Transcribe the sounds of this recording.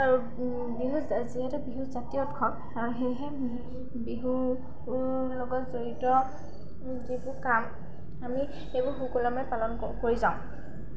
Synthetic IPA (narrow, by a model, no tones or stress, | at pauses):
aɹu | biɦuziɦɛtɛbiɦuzatijɔtkʰɔn | aɹuɦejɦɛ | biɦu | lɔɡɔtzoɹitɔ | zibʊkam | ami | ejbʊxukulamɛpalɔn | koɹizaʊ̃